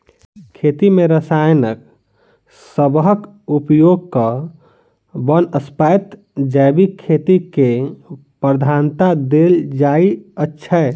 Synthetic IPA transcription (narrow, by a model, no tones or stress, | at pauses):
kʰet̪imeɾəsajnək̚ | səbɦəkupjoɡ̚kə | bənəspajt̪ | d͡ʒajbikʰːet̪ike | pɾəd̪ʱant̪ad̪eld͡ʒaiətːʃʰə